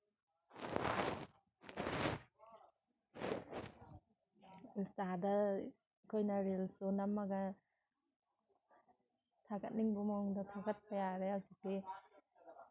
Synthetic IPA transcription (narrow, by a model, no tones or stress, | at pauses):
ustadɐ | kʰojnɐɾelsunamːaɡɐ | tʰaɡɐt̚niŋbumaŋdɐtʰaɡɐt̚pɐjaɾeawzik̚ːi